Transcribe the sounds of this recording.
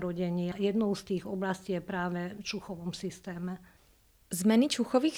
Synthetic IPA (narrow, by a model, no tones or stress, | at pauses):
ɾɔɟɛɲɪajɛd̪nɔʊst̪iːɣɔblasciːjɛpɾaːʋɛt͡ʃuxɔʋɔmsist̪ɛːmɛ | zmɛnit͡ʃuxɔʋiː